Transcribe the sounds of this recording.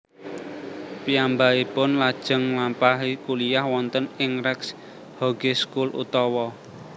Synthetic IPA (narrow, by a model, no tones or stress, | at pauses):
piambaipʊnlad̥ʒ̥ə̤ŋlampaɦikulijahwɔnt̪ənɪŋɾɛks | hɔɡ̥eskulṵt̪ɔwɔ